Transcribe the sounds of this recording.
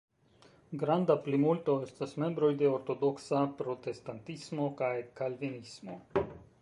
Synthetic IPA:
ɡɾand̪aplimult̪oest̪asmembɾojd̪eoɾt̪od̪oksapɾot̪est̪ant̪ismokajkalvinismo

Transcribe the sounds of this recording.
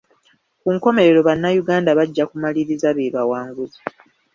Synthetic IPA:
kuŋko̞me̞ɾe̞ɾo̞βanːajuɡaːndaβaɟːakumaliɾizaβeːβawaːŋɡuzi

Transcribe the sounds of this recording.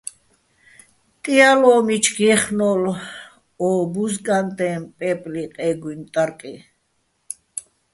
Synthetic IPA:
t̪ʼialɔːmit͡ʃʰɡɛχnɔl | ɔːbuzɡʼant̪ʼɛmpʼɛpʼliqʼɛɡwint̪ʼaɾkʼi

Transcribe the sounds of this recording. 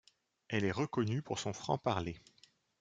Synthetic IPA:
ɛlɛʁəkɔnypuʁsɔ̃fχɑ̰̃paʁle

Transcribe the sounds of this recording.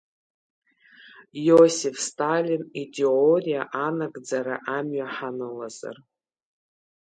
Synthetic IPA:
josifstʼalʲinitʰʼeorijaʔanakʼd͡zaɾaʔamɥaħanɨlaza̰r

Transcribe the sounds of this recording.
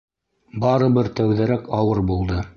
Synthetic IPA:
bɑɾɤ̆βɘɾt̪æwðæɾækɑwɤɾbulˠd̪ɤ

